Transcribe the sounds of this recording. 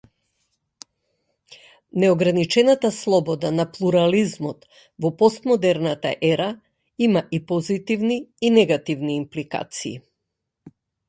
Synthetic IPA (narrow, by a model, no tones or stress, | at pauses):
nɛɔɡɾanit͡ʃɛnat̪aslˠɔbɔd̪anaplˠuɾalizmɔt̪ | vɔpɔst̪mɔd̪ɛɾnat̪a̰ʔɛɾa | imaʔipɔzit̪ivniːnɛɡat̪ivniːmplika̰t̪sḭː